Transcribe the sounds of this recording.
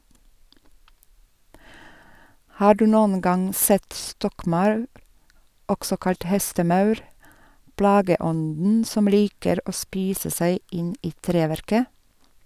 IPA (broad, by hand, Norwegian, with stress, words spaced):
ˈhɑː ˈɖʉː ˈnuːn ˈɡɑŋ ˈsɛt ˈstɔkˌmɑʉɾ ˈɔɡsɔ ˈkɑʎc ˈhɛstəˌmɑʉɾ ˈplɑːɡəˌɔndn̩ ˈsɔm ˈliːkəɾ ˈoː ˈspiːsə ˈsæɪ ˈɪn ˈiː ˈtɾeːʋæɾkə